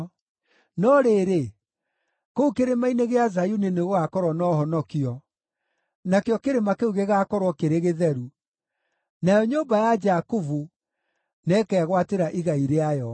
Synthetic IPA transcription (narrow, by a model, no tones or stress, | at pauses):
nɔɾeːɾe | koukeɾemaineɣeazajuneneɣoakɔɾwɔnɔɦɔnɔkiɔ | nakeɔkeɾemakeuɣeɣakɔɾwɔkeɾeɣeðɛɾu | najɔɲoːmbajad͡ʒakuvu | nɛːkɛɣwateɾaʔiɣaiɾeajɔ